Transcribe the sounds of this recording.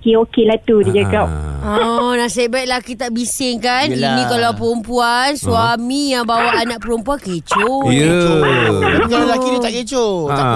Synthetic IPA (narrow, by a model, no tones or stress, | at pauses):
keokelat̪udid͡ʒaɡap̚ɔnasebaiʔ̪̚lakit̪aʔbisɪŋkaninĩkalawpəɾumpuansuamijaŋbawaːnãʔ̚pəɾumpuanket͡ʃojəo | kalalakidit̪aʔket͡ʃoa